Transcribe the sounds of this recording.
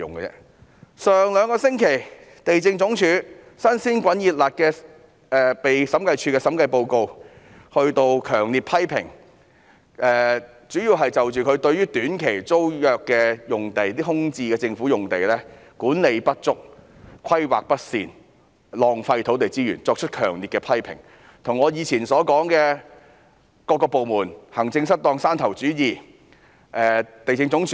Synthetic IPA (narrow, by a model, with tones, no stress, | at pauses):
ʊ˨ŋɡɛ˧t͡sɛ̰ː˥ | sœː˨ŋlœː˨˧ŋkɔː˧sɪ˥ŋkʰe˨˩j | t̪e˨jt͡sɪ˧ŋt͡sʊ˨˥ŋt͡ʃʰyː˨˧ | sɐ˥nsiː˥nkʷɐ˨˥njiː˨t̚la˨t̚kɛː˧ | ɛː˨pe˨jsɐ˨˥mkɐ˧jt͡ʃʰyː˧kɛː˧sɐ˨˥mkɐ˧jpo˧wko˧w | hɵ˧ɥt̪o˧wkʰœ̰ː˨˩ŋliː˨t̚pʰɐ˥jpʰɪ̰˨˩ŋ | ʔɛː˨ | t͡ʃyː˨˥jiː˧wɦɐ˨jt͡sɐ˨wt͡ʃyː˨kʰɵ˨˧ɥt̪ɵ˧ɥjyː˥t̪yː˨˥nkʰe˨˩jt͡so˥wjœː˨kːɛː˧jʊ˨ŋt̪e˨jt̪iː˥ɦʊ˥ŋt͡siː˧kɛː˧t͡sɪ˧ŋfuː˨˥jʊ˨ŋt̪e˨jlɛː˥ | kuː˨˥nle˨˧jpɐ˥t̚t͡sʊ˥k̚ | kʰɐ˥jwa̰ː˨k̚pɐ˥t̚sḭː˨˩n | lɔː˨ŋfɐ˧jt̪ʰo˨˥wt̪e˨˩jt͡siː˥jy̰ː˨˩nt͡sɔː˧k̚t͡ʃʰɵ˥t̚kʰœː˨˩ŋliː˨t̚kɛ˧pʰɐ˥jpʰɪ̰˨˩ŋ | t̪ʰʊ˨˩ŋːɔː˨˧jiː˨˧t͡sʰiː˨˩nsɔː˨˥kɔː˨˥ŋkɛː˧ | kɔː˧kːɔː˧po˨wmuː˨˩nhɐ˨˩ŋt͡sɪ˧ŋsɐ˥t̚t̪ɔː˧ŋsaː˥nt̪ʰɐ˨˩wt͡syː˨˥jiː˨ | ʔɛː˨t̪e˨jɪ˧ŋt͡sʊ˨˥ŋt͡ʃʰ